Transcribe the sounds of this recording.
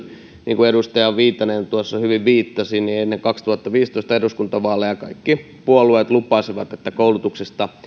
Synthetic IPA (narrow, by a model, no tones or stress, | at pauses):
niːŋkuedust̪ɑjɑʋʋiːt̪ːɑnent̪uosːɑhyʋiʋʋiːt̪ːɑsiːnnienːeŋkɑkst̪uhɑt̪ːɑʋiːst̪oˑist̪ɑeduskunt̪ɑʋɑːlːɑjɑkɑikːi | puolueːt̪lupːˑɑːsiʋɑt̪et̪ːækoulut̪uksest̪ɑ